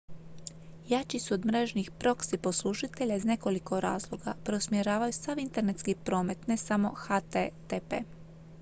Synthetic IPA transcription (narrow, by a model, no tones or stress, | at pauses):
jat͡ʃisuod̪mɾe̞ʒnixpɾo̞ksiposlˠuʃit̪e̞ʎaizne̞ko̞liko̞ɾaːzlˠo̞ɡapɾo̞smjeɾaːʋajusaʋint̪e̞ɾnet̪skipɾo̞ːme̞t̪ne̞samo̞xat̪et̪epḛː